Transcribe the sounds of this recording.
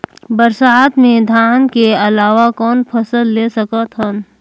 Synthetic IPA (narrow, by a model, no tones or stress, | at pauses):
bəɾsaːt̪mẽd̪ʱaːnkeɐlaːʋakɔːnpʰɐsəlːeːsəkət̪ɦən